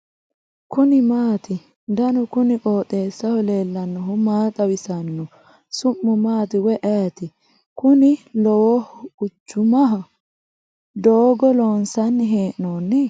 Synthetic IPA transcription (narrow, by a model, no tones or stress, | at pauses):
kʊnɪmaːt̪ɪ | d̪ɐnɔkʊnɪkʼoːt̪ʼeːsːɐhɔleːlːɐnːɔɦʊmaːkʼɐwɪsɐnːɔ | sʊmːʊmaːt̪ɪwɛʔɛjt̪ɪ | kʊnɪlɔwɔhʊt͡ʃːʊmɐɦɐ | d̪oːɡɔloːnsɐnːɪɦeːʔnoːnːɪ